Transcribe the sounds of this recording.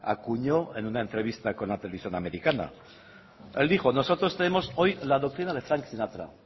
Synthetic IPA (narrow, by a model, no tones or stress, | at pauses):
a̰kuɲo̞e̞nunae̞nt̪ɾe̞βist̪ako̞nlat̪eleisjo̞name̞ɾikana̰ | e̞ld̪ixo̞no̞so̞t̪ɾo̞st̪e̞ne̞mo̞so̞jlaðok̚t̪ɾinaðe̞fɾaŋksinat̪ɾa̰